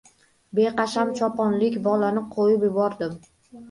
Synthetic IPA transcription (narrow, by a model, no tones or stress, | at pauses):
beqɑʃamt͡ʃʰɒpɒnlɪkʲbɒlanɪqʰojɪpjʊbɒɾd̪ɪm